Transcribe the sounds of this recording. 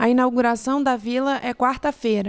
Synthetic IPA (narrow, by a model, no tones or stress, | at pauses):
ɐinawɡuɾasɐ̃w̃d̪ɐvilɐʔɛkwaɾt̪ɐfejɾɐ